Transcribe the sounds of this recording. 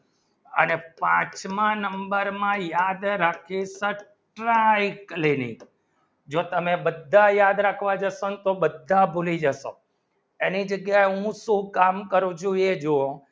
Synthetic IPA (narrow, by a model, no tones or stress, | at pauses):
ə̰nepã̰t͡ʃmãnəmbəɾmãjad̪ɾakʰisə | ʈɾaiklinḭk | d͡ʒot̪əmebəd̪ʱːajad̪ɾakʰʋad͡ʒəʃont̪obəd̪ʱːabʱulid͡ʒəʃo̰ | enid͡ʒəɡjaeɦũsũkamkəɾũd͡ʒoied͡ʒoõ